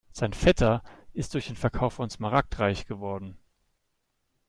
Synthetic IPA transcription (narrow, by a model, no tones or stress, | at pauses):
z̥aɪnfɛtʰɐʔɪst̚d̥ʊɐçd̥eːnfɛɐkʰaʊfʊnsmaʁak̚tʁaɪçɡ̥əvɔɐdn̩